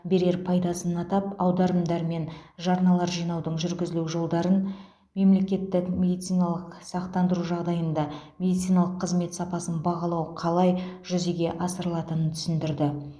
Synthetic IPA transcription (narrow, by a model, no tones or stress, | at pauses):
be̞ɾe̞ɾpʰɑjd̪ɑsənɑt̪ɑp̚ɑwd̪ɑɾəmd̪ɑɾme̞nʒɑɾnɑlˠɑɾʒijnɑwd̪əɴʒʏɾɡʲɪzɪluʒo̞lˠd̪ɑɾən | me̞mle̞kʲe̞t̪ːɪkmʲe̞d̪ijt̪sijnɑlˠəqsɑqt̪ɑnd̪əɾuʒɑʁd̪ɑjənd̪ɑmʲe̞d̪ijt̪sijnɑlˠəqʰːəzme̞t̪sɑpɑsənbɑʁɑlˠɑwəqʰɑlˠɑjʒʏzeɡʲe̞ʔɑsəɾəlˠɑt̪ənənt̪ʰʏ̥sɪnd̪ɪɾd̪ɪ